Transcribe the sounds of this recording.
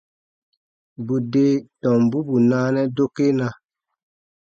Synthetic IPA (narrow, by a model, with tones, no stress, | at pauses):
bu˨de˦tɔ̃˨mbu˦bu˨naː˦nɛ˦do˦kːe˦na˦